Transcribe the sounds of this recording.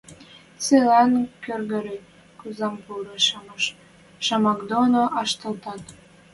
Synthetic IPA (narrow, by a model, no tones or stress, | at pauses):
t͡selɑnkørɣə̆ɾe | kuzɑmpuɾɤʃɑməʃ | ʃɑmɑkd̪onoʔɑʃt̪ə̆lt̪ɑt̪